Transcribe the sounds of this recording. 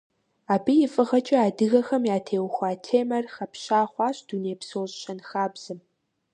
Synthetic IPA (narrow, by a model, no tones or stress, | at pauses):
aːbijɪfʼɨʁɐt͡ʃʼɐaːdɨɣɐxɐmjaːtʰeːwxʷaːtʰeːmɐrxɐpʰɕaːχʷɑːɕd̥uneːjpsoːɕɕɐnxaːbz̥ɨm